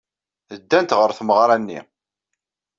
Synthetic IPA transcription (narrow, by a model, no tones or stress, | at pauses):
əd̪ːænt̪ʁəɾθməʁɾˤanːḭ